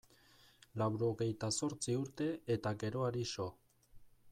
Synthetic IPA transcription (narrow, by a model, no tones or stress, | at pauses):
lawɾo̞ɣe̞jt̪aso̞ɾt͡siuɾt̪e̞et̪aɡe̞ɾo̞aɾiso̞